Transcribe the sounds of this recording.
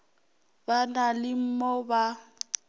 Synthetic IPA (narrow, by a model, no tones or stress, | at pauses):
banalɪm̩mɔba